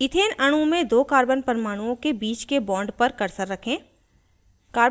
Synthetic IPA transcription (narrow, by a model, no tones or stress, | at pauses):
ɪt̪ʰeːnʔɐɽ̃ũmẽd̪oːkaːɾbənpɐɾɪmaːɽ̃uwõkebiːt͡ʃkebɔ̃ːɳɖpɐɾkɐɾsəɾːɐkʰẽː | kaːɾ